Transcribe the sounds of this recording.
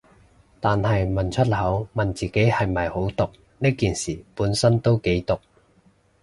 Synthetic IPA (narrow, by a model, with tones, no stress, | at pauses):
t̪aː˨nhɐ˨jmɐ˨nt͡ʃʰɵ˥t̚hɐ˨˥wmɐ˨nt͡siː˨ke˨˥jhɐ˨jmɐ˨˩jho˨˥wt̪ʊ˨k̚ | niː˥kiː˨˩nsiː˨˩puː˨˥nsɐ˥nt̪o˥wke˨˥jt̪ʊ˨k̚